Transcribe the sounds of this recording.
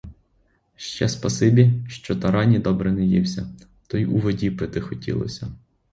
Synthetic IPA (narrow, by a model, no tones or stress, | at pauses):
ʃt͡ʃɛspɐsɪbʲiʃt͡ʃɔt̪ɐɾɑnʲid̪ɔbɾɛnɛjiwsʲɐ | t̪ɔiuʋɔdʲipɪt̪ɪxɔtʲḭlˠɔ̰sʲɐ